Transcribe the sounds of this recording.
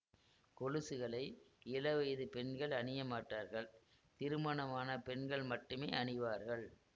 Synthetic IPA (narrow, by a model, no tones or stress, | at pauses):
kɔɻɯsɯɣɐɭɐɪɪlɐʋɐɪðɯpɛnɡɐɭɐɳɪjɐmaːʈːaːɾɣɐɭ | t̪ɪɾɯmaːnɐmaːnɐpɛnɡɐɭmɐʈːɯmeːʔɐnɪʋaːɾɣɐɭ